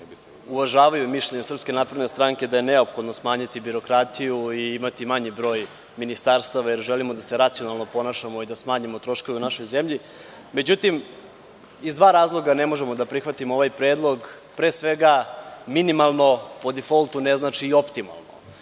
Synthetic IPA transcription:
uʋaʒaːʋajumiʃʎeɲesrpskʲe̞naːpɾed̪nest̪ɾaŋke̞d̪aje̞ne̞opxo̞d̪no̞smaːɲit̪ibiɾo̞kɾat̪ijuiimat̪imaɲibɾo̞ːj | minist̪aɾst̪aʋajeɾʒelimod̪aseɾat̪sio̞nalˠno̞po̞naːʃamo̞id̪asmaːɲimo̞t̪ɾo̞ʃko̞ʋeunaʃo̞jze̞mʎi | me̞d͡ʑut̪im | izd̪ʋaːɾaːzlˠo̞ɡane̞mo̞ʒe̞mo̞d̪apɾixʋat̪imooʋajpɾe̞ːd̪lˠo̞ɡ | pɾesʋe̞ɡaminimalˠno̞po̞d̪ifolˠt̪uneznaːt͡ʃiːo̞pt̪ima̰lˠno̰

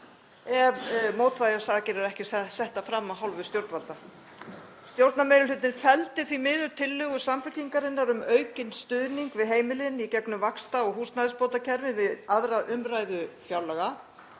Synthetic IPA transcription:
ɛvmoːwt̪vajaɾsaːɣacɪɾaɾɛhcɪsɛht̪afɾamːaɦawlvʏst̪jowɾt̪nvalt̪a | st̪jowɾt̪nameːjɾɪlʏt̪nɪnfɛlt̪ɪθvimɪðʏɾ̥t̪ʰɪlːʏɣʏ̥samfɪ̥iŋkaɾɪnːaɾʏmœɥcɪnst̪ʏðniŋkvɪðɦeːjmɪlɪnicɛknʏmvakst̪aɔɣɦuːst̪naðɪspowt̪acʰɛɾvɪvɪðaðɾaʔʏmɾaːjðʏfjawlɛɣa

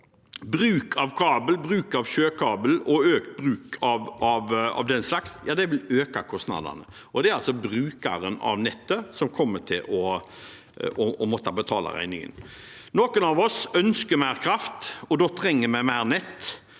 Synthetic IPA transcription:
bɾʉːkʰɑʋkʰɑːbəl̩bɾʉːkɑʋʃøːkʰɑːbəl̩ɔøːkt̪̚bɾʉːkʰɑʋɑʋɑ̰ʋd̪ɛnslɑksjɑːd̪ɛʋɪløːkɑkʰɔst̪nɑ̰d̪ɑ̰nə | ʔɔd̪ɛæɾɑlsɔbɾʉːkɑ̰ɾənɑ̰ʋnɛt̪ːəsɔmkʰɔmːəʈʰɪlɔ | ɔɔmɔt̪ːɑbət̪ʰɑ̰ːlɑ̰ɾæ̰ɪnɪŋə̰nnoːkənɑʋɔsœnskəmæɪɾkʰɾɑft̪ɔd̪oːt̪ʰɾɛŋːəmæɪmæɪɾnɛt̪ː

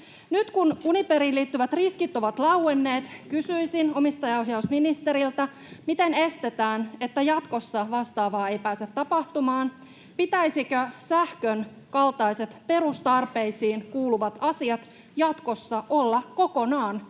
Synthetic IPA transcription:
nyt̪kununipeɾiːlːiːt̪ːyʋæt̪riskit̪ːo̞ʋɑt̪lɑwwenːe̞ːt̪kysyjsino̞mist̪ɑjɑoɦjɑusminist̪e̞ɾilt̪æ | mit̪e̞ne̞st̪e̞t̪æːne̞t̪ːæjɑt̪ko̞sːɑʋɑst̪ɑːʋɑːe̞jpæːset̪ːɑpɑht̪umɑːn | pit̪æjsikøsæhkøn | kɑlt̪ɑjse̞t̪pe̞ɾust̪ɑrpe̞isiːnkuːluʋɑt̪ɑsiɑt̪ | jɑt̪ko̞sːɑʔo̞lːɑko̞ko̞nɑːn

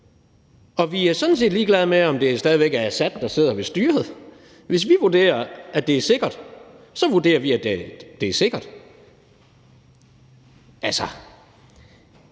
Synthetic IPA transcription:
ɒ̽ʋiæɐsɒ̽d̥n̩se̝̰ːd̥liːɡ̥lɛð̞ˠmeɒ̽md̥e̝æsd̥ɛːðˠiʋeɡ̥ææsæd̥ːɑ̈se̝ð̰ˠɐʋe̝sd̥yːɐheð̩ˠ | ʋe̝s̬ʋiʋuɐd̥e̝̰ːɐʔæd̥e̝æɐse̝ɡ̥ɐd̥ | sɒ̽ʋuɐde̝̰ːɐʋiæd̥ed̥e̝æɐse̝ɡ̥ɐd̥ | ʔælsɒ

